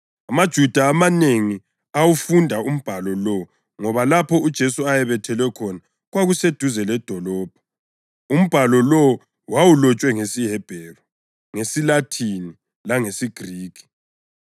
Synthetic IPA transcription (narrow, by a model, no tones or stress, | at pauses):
amad̥ʒ̥ʱud̥ʱaːmaneŋi | awufundʱaum̩b̥ʱalɔlɔ | ŋɔβalapʰɔud̥ʒ̥ʱesuajɛβɛtʰɛlwɛkʰɔna | ɣwaɣused̥ʱuzɛlɛd̥ʱɔlɔːb̥̚ʱɔ | um̩b̥ʱalɔlɔ | wawulɔt͡ʃʼwɛŋesiɦɛb̥ʱɛrɔ | ŋesilatʰini | laŋesiɡ̥ʱriːkʰi̥